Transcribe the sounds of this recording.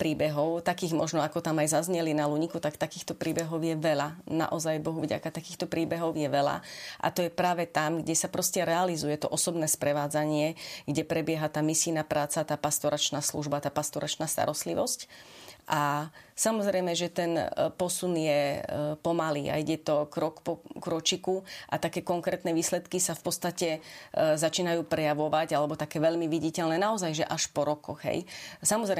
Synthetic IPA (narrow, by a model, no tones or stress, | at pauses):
pɾiːbɛɦɔʊt̪akiːɣmɔ̰ʒnɔakɔt̪amajzazɲɛlinaluɲikut̪akt̪akiːxt̪ɔpɾʔiːbɛɦɔʊjɛʋɛʎana̰ʔɔzajbɔɦuvɟa̰kat̪akiːxt̪ɔpɾiːbɛɦɔʊjɛʋɛla̰ʔa̰t̪ɔjɛpɾaːʋɛt̪amɡɟɛsapɾɔscɛɾɛalizujɛt̪ɔʔɔsɔbnɛːspɾɛʋaːd͡zaɲɪɛɡɟɛpɾɛbɪɛɦat̪aːmisiːnapɾaːt͡sat̪aːpast̪ɔɾʔat͡ʃnaːsluʒbat̪aːpast̪ɔɾat͡ʃnaːst̪a̰ɾɔst̪liʋɔscʔasamɔzɾɛjmɛʒɛt̪ɛnpɔsunjɛpɔmalḭːʔa̰iɟɛt̪ɔkɾɔkpɔkɾɔt͡ʃikuʔa̰t̪akɛːkɔŋkɾɛːt̪nɛʋiːslɛt̪kisafpɔt̪st̪acɛzat͡ʃiːnajuːpɾɛjaʋɔʋaɟalɛbɔt̪akɛːʋɛʎmiʋiɟicɛʎnɛːnaɔzajʒɛʔaʃpɔɾɔkɔɣɦɛ̰jsamɔzɾɛ